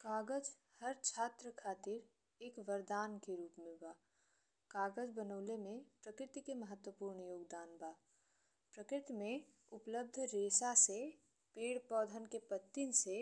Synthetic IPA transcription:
kaːɡəd͡ʒ | həɾt͡ʃʰaːt̪ɾəkʰaːt̪ɪɾ | eːkʋəɾd̪aːnkeɾuːpmɪ̃lbaː | kaːɡəd͡ʒbənəːlemẽpɾəkɾɪt̪ikeməɦət̪wəpuːɾɳjoːɡd̪aːnbaː | pɾəkɾɪt̪imẽ | ʊpləb̚d̪ʱɾeːsase | peːɽpɔːd̪ʱənkepət̪ːinse

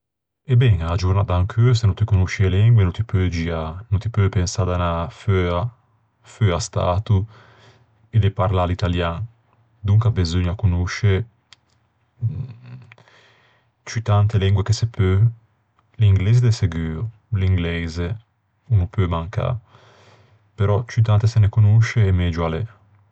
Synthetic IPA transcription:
ebɛŋaːd͡ʒuɾnat̪aŋkʰøːsenont̪ikonuʃielɛŋɡwenut̪ipød͡ʒiːanunt̪ipøpensaːd̪anaføa | føast̪a̰ːt̪u | ed̪epaɾlalit̪aljaŋ | d̪uŋkabezoɲːakunuʃe | t͡ʃyt̪ant̪elɛŋɡwekesepʰø | liŋɡlɛːzed̪eseɡyːo | liŋɡlɛze | unupømaŋka̰ | peɾɔt͡ʃyt̪̬ant̪esenekunuʃeːmɛd͡ʒualɛ

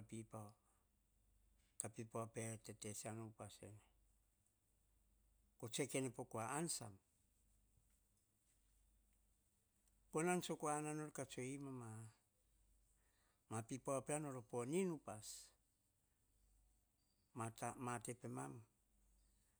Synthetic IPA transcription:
pipa | kapipoapetetet͡ʃeanoupasene | kot͡ʃe̞kenepokoaːnsa̰m | konansokoananoɾkat͡ʃoimama | mapipawapeanoɾoponinupas | atamatepemam

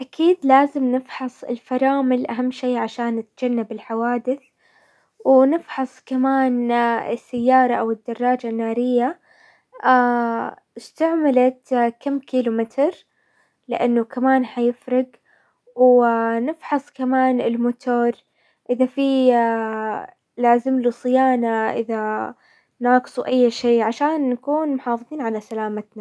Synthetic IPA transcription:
ʔakʰiːd̪laːzɪmnɪfħɑsˤɪ̰lfɑɾˤɑːmɪlʔaɦamːʃiːʕaʃaːnːɪt̪d͡ʒ̥anːabɪlħawaːd̪ɪθ | wnɪfħɑsˤkamaːnɪ̰sːajːɑːɾˤɑʔawɪd̪ːɑrˤːɑːd͡ʒanːaːɾɪjːa | a | ɪst̪aʕmalat̪kamːkiːlumɪt̪ɾ | lɪʔanːʊkamaːnħajɪfɾɪɡ | wnɪfħɑsˤkamaːnɪlmʊt̪ʰoːɾˤ | ʔɪðafi | laːzɪmlusˤɨjaːnaʔɪ̰ða | nɑːɡɨ̥sˤuʔajːʃiːʕaʃaːnːakuːnmʊħɑːfɨðˤiːnʕalasalaːmat̪na

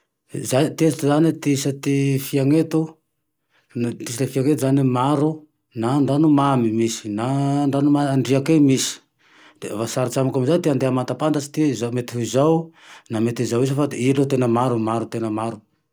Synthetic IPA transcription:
zat̪ezt̪zanit̪isat̪ifiaŋet̪u | nt̪isilefiaŋet̪uzanimaɾu | naɳɖ͡ʐanumamimisi̥naɳɖ͡ʐanumaɳɖ͡ʐiakemisi̥ | vasaɾit͡ʃamakamizant̪eand̪eamat̪apant̪at͡ʃi̥t̪izamet̪iɦuizaw | namet̪izawis̬əfailot̪enəmaɾumaɾut̪enəmaɾu

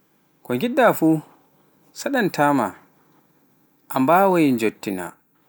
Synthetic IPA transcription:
kɔŋɡiɗːafuː | saɗantʰaːma | ʔambaːwajind͡ʒotːina̰

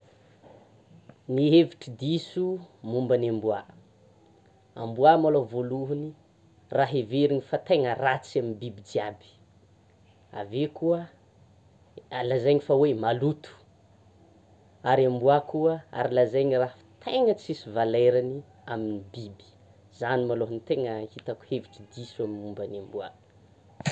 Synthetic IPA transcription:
niɦeviʈ͡ʂid̪isumumbanambua | a̰mbuamalovoluɦuni | raɦeveɾinifat̪eŋərat͡saminbibid͡ziabi̥ | a̰vekuə | alazajɲifawemalut̪u̥ | aɾiambuakuəa̰ɾilazajɲirafi̥t̪ʰeŋət͡sisivaleɾani | aminibibi̥ | zanimaloɦunit̪eŋəhit̪aku̥heviʈ͡ʂid̪isuamiumbanambua̰

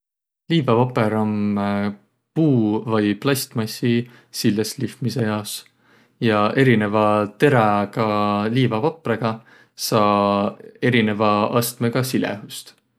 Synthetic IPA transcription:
liːvɑvɑpeɾɑm | puːvɤjplɑsʲt̪mɑsi | silːeslifmise̞jɑos | jɑʔe̞ɾine̞vɑt̪e̞ɾɑɡɑliːvɑvɑpˑreɡ̥ɑ | sɑː | e̞ɾine̞vɑɑst̪meɡ̥ɑsilḛɦust̪

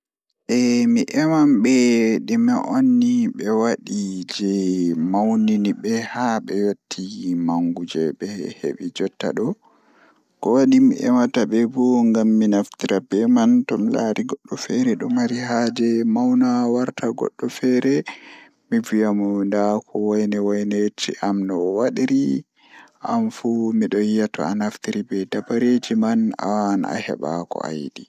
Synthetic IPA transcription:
ʔɛmiʔɛmamɓɛɗimɛʔonːiɓɛwaɗid͡ʒɛmawniniɓɛhaɓɛjotʰːimaŋɡud͡ʒɛɓɛhḛɓid͡ʒɔtːa̰ɗɔ | kɔwaɗimiʔɛmataɓɛbɔŋɡamːinaftiɾabɛmantɔmlaɾiɡɔɗːɔfɛɾɛɗɔmaɾiɦad͡ʒɛmawnawaɾtʰaɡɔ̰ɗːɔfɛɾɛ | mivijamɔndakʰɔwajnɛwajnet͡ʃiʔamnɔwaɗiɾi | ʔamfumiɗɔjijatɔ̰a̰naftiɾibɛdabaɾed͡ʒimana̰wana̰hɛ̰ɓa̰kɔ̰a̰jdi

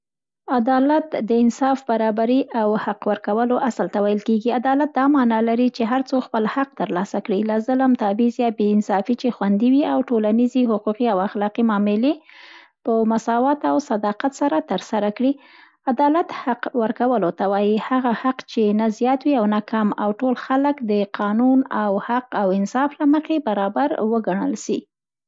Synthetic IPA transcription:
ad̪ɑlat̪d̪əɪnsɑfbaɾɑbaɾiʔawhaqwəɾkawəloʔasəlt̪awajəlkeɡiad̪ɑlat̪̚d̪ɑmɑnɑlaɾit͡ʃeɦaɾt͡soxpəlhaq̚t̪əɾlɑsakɽilazələmt̪abizjɑbeɪnsɑfit͡ʃexwand̪iwiawʈolaniziɦʊquqiawaxlɑqimɑmɪle | pəmasɑwat̪awsad̪ɑqat̪saɾat̪əɾsaɾakɽi | ad̪ɑlat̪haqwəɾkawəlot̪awɑjihaɣahaqt͡ʃenazjɑt̪wiawnakamawʈolxaləkd̪əqʰɑnunawhaqawɪnsɑflaməxebaɾɑbaɾwəɡaɳ̃ə̰lʃi

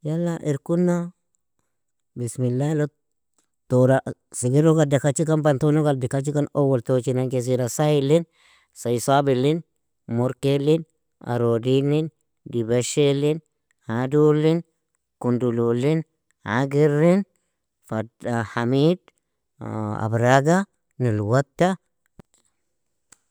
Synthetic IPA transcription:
jalːaʔiɾkunːa | bismilːalo | toɾasiɡiɾoɡadakat͡ʃikanbant̪onoɡadikat͡ʃikanowolt̪ot͡ʃinaŋkes̬iɾasailin | sajsabilin | moɾkelin | a̰ɾodilin | dibaʃelin | hadulin | kundululin | ha̰ɡiɾin | fadhamid | a̰bɾaɡa | nilwatːa

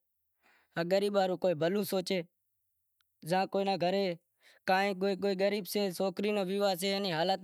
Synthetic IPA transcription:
əɠəɾiːbaːɾũːkoːiːbʱəlũːsoːt͡ʃeː | zãːkoːiːnaːɡʱəɾeː | kãːĩːkoːiːk̬oːiːɡəɾiːbseːsoːkɾiːnõːʋiʋaːs̬eːəniːɦaːlət̪

